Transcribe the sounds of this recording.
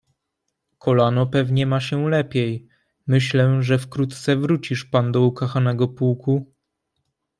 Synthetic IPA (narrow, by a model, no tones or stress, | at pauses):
kʰɔlanɔpɛvɲɛmaɕɛlɛpʲjɛj | mɘɕlɛʐɛfkɾut̪t̪sɛvɾut͡ɕiʂpand̪ɔukaxanɛɡɔpuwku